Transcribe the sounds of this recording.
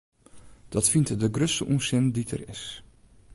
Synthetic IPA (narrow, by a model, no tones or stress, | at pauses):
d̥ɔtfintdəɡrøstəʔusɪnditʰə̰rɪ̰s